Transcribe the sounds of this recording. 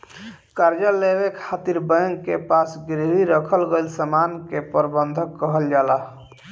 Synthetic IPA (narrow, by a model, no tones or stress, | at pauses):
kaɾd͡ʒaleβekʰat̪iɾbəjəŋkepasɡɾiɦiɾəkʰəlɡelsəmankepəɾbənd̪ʱəkːəɦəld͡ʒala